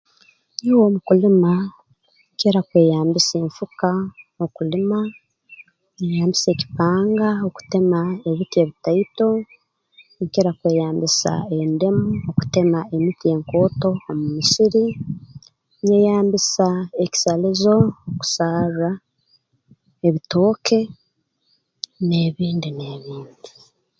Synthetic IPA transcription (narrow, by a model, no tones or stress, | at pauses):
niwo̞ːmukulima | ɲceɾakweːjaːmbiseːɱfukaokulima | nejaːmbise̞ːci̥paːŋɡaoku̥te̞mae̞βitie̞βitaito̞ | keɾakwe̞ːjaːmbisa̰e̞nde̞muoku̥te̞mae̞mitie̞ːŋko̞ːto̞ːmumisiɾi | nejaːmbisaeci̥salizo̞oku̥sara | eβito̞ːkʰe̞ | neβiːndineβiːndi